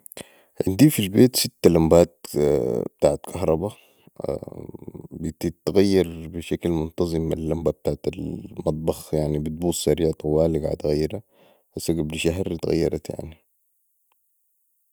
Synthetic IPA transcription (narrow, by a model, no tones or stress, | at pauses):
ʕɪ̰nd̪iːfilbeːt̪sit̪ːalambaːt̪̚ | b̥̚t̪aːʕat̪kʰɑhɾˤɑba̰ | bit̪it̪ɣajːɑɾˤbiʃaklmʊnt̪ɑzˤɨmːa̰lːambab̚t̪aːʕat̪almɑt̪̚ˤbɑxjaʕnibit̪̚buːsˤsaɾiːʕat̪ɑwaːliɡa̰ʕa̰t̪ɣajːɾha | ʔasːaɡabliʃaɦɾt̪ɣa̰jːɑ̰ɾˤɑ̰t̪ja̰ʕni